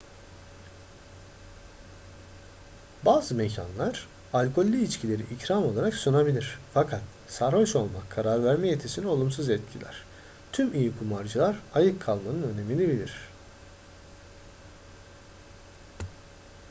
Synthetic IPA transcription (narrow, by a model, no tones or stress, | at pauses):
baːzɯmecʰa̰nlˠaɾ̥ | alʲkʰo̞lʲːiit͡ʃcʰilʲe̞ɾiʔicɾamo̞lˠaɾaksunabilʲiɾ̥fakʰat̪ | saɾhoʃo̞lˠmakʰːaɾaɾvæɾmɛjet̪ʰesinɛo̞lˠumsuzɛt̪̚cʰilʲæ̰ɾ̥ | t̪ʰymijikʰumaɾd͡ʒɯlˠaɾajɯkʰːalˠmanɯnø̞ne̞minʲibilʲiɾ̝̥